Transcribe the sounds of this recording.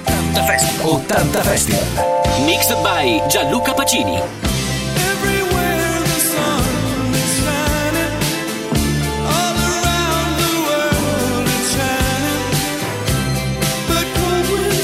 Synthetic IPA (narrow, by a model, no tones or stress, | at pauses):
t̪ant̪ɐfɛst̪ɐʔot̪ant̪ɐfɛst̪iɐ̰miksəbajd͡ʒalukɐpɐt͡ʃiːnḭ | ɛvɹiwɛɹɹðəsɔŋw | ɨsa | nɪ | ɔlˠə˞ãʊ̃nðəwɜ˞wəɾɨt͡ʃan | b̥ʌt̚